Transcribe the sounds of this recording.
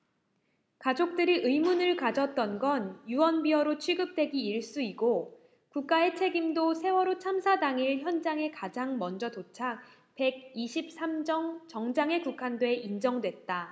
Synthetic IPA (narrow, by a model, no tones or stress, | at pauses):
kad͡ʑok̚t͈ɯɾiʔɯimunɯɭkad͡ʑʌt̚t͈ʌnɡʌnjuwʌnbiʌɾot͡ɕʰɥiɡɯp̚t͈we̞ɡiiɭs͈uiɡo | kuk̚k͈ae̞t͡ɕʰe̞ɡimdosʰe̞wʌɾot͡ɕʰamsʰadaŋiɭçjʌnd͡ʑaŋe̞kad͡ʑaŋmʌnd͡ʑʌtot͡ɕʰak̚ | pe̞ɡ̚iɕʰip̚s͈ʰamd͡ʑʌŋt͡ɕʌŋd͡ʑaŋe̞kukʰandoeʔind͡ʑʌŋdwe̞t̚t͈a